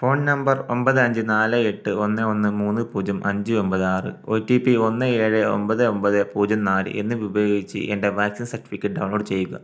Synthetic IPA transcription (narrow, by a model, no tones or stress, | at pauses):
fo̞ːɳnnɐmbɐro̞mbɐðɨɐɲd͡ʑɨnaːlɨeʈːɨo̞nːɨo̞nːɨmuːnːɨpuːd͡ʑɐmʔɐɲd͡ʑɨo̞mbɐðɨaːrɨ̰ojtːipio̞nːɨiɐɻeo̞̰mbɐðɨo̞mbɐðɨpuːd͡ʑɐmnaːlɨ̰ʔe̞̰nːɨʋibɐjoːɡit͡ɕːɨ̰ʔe̞nde̞ʋaːksinsɐrʈːi̥fikʲːɐʈ̚ɖɐwɳlo̞ːɖt͡ɕe̞jːuɣɐ̰